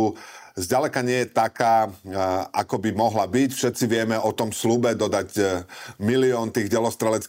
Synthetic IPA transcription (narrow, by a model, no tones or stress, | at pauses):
uzɟalɛkaɲɪɛjɛt̪akaː | akɔbimɔɦlabicfʃɛt̪t͡siʋɪɛmɛɔt̪ɔmslubɛd̪ɔd̪aɟ | miliɔːnt̪iːɣɟɛlɔst̪ɾɛlɛt͡sk